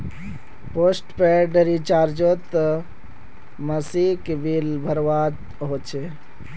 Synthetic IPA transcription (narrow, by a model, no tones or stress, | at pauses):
posʈpeɖɾit͡ʃaːɾd͡ʒot̪ | məsikebilbʱəɾʋat̪ | ɦot͡ʃʰe